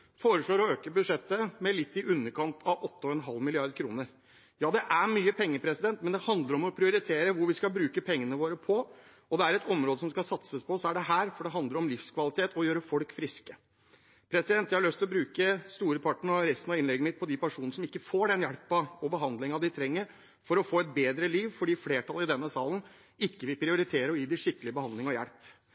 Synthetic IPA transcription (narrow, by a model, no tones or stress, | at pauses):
foːɾəʂɭoːɾɔøːkəbʉd̪ʂɛt̪ːəmɛlɪt̪ːɪʔʉnːəɾkʰɑnt̪ʰɑʋɔt̪ːəɔɛnɦɑlːmɪlɪɑɾd̪̚kʰɾṵːnəɾ | jɑːd̪ɛʔæmyːəpʰɛŋːəpʰɾɛsɪd̪ɛnt̪̚mɛnd̪ɛhɑnd̪ləɾɔmɔpʰɾɪʊɾɪt̪ʰeːɾəʋʊɾʋɪskɑbɾʉːkəpʰɛŋːənəʋoːɾəpʰɔ | ɔd̪ɛæɾɛt̪ʰɔmɾoːd̪əsɔmskɑsɑt̪səspʰɔsɔæɖɛɦæːɾfɔɖɛɦɑnd̪əɾɔmlɪfskʰʋɑlɪt̪ʰeːt̪ʰɔjøːɾəfɔɽkfɾɪskə | pʰɾɛsɪd̪ɛnt̪ːjɪhɑɭœst̪ɪlɔbɾʉːkəst̪uːɾəpʰɑʈːɳ̩ɔɾɛɪst̪nɑɪnlɛɡːnmɪt̪̚pʰɔd̪ɪpʰæʂuːnəʂɔmɪkːəfoːɖɛnjæɽpɑɔbəɦɑnd̪lɪŋɑd̪ɪt̪ʰɾɛŋːəɾ | fɔɾɔfoːɛt̪̚beːd̪ɾəliːʋfɔɖiːfleːʈʰɑlɪd̪ɛnːəsɑːlən̩ | ɪkːəʋɪpʰɾɪʊɾɪt̪ʰeːɾəɾɔiːd̪ɪʂɪkːəlɪəbəhɑnd̪lɪŋɔjæɽp